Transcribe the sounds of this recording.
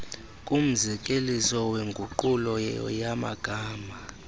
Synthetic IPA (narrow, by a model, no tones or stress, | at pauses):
kʼum̩zɛkʼelisɔweŋɡʱuǃulɔjama̰ɡ̥ʱaːma